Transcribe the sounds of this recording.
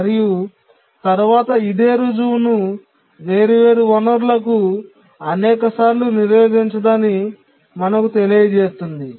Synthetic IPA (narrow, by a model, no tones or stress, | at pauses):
ɐɾiju | t̪ɐɾʋaːt̪ɐid̪eːɾod͡ʒuwnu | ʋe̞ːɾiʋe̞ːɾuʋɐnɐɾulɐk̬u | ɐnɛːkɐsaːɾluniɾʋeːd̪iɲt͡ʃɐd̪aːni | mɐnɐkut̪e̞lijd̪t͡ʃe̞ːst̪und̪i